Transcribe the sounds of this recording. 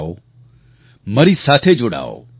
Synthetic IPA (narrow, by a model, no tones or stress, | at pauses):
o̰ | mɐɾisaːt̪ʰed͡ʒʊɽa̰ːo̰ː